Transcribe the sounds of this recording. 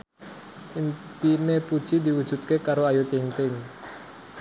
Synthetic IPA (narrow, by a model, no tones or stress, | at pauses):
int̪inepud̥ʒ̥id̪iwud̥ʒ̥ṳt̪̚kekaɾoajut̪iŋt̪ɪŋ